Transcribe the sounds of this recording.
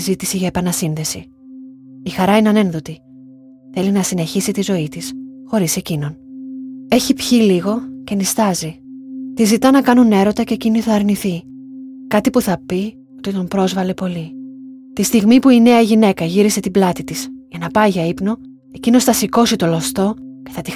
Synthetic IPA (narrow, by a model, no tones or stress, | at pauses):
zit̪isiʝɐepɐnɐsinðe̞si | ixɐɾɐinɐne̞nðo̞t̪i | θe̞linɐsine̞çisit̪izo̞it̪isxo̞ɾise̞cino̞n | e̞çipçiliɣo̞ce̞nist̪ɐzit̪izit̪ɐnɐkɐnune̞ɾo̞t̪ɐce̞ciniθɐːɾniθi | kɐt̪ipuθɐpi | o̞t̪it̪o̞mpɾo̞zvɐle̞po̞li | t̪ist̪iɣmipuine̞ɐʝine̞kɐʝiɾise̞t̪iblɐt̪it̪isʝɐnɐpɐiʝɐipno̞ | e̞cino̞sθɐsiko̞sit̪o̞lost̪o̞ce̞θɐt̪i